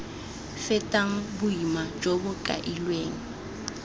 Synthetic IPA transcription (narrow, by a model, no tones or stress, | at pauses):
fɛtʼaŋ̩bʊimad͡ʒobʊkʼa̰ʔilweːŋ̩